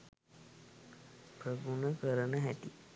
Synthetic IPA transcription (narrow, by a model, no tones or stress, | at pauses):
pɾəɡunəkəɾənəɦɛt̪i